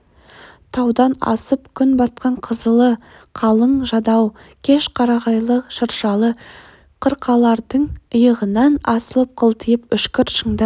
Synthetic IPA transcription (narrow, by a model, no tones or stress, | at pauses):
t̪ʰɑwd̪ɑnɑ̰səpkʲʰʏnbɑt̪̚qɑɴqʰəzəlˠə | qʰɑlˠəɴʒɑd̪ɑwkʲʰe̞ʃqʰɑɾɑʁɑjlˠəʃəɾʃɑlˠə | qʰəɾqʰɑlˠɑɾd̪əɴəjəʁənɑnɑsəlˠəp̚qʰəlˠt̪ʰəjɪpʏʃkʲɪɾʃəɴd̪ə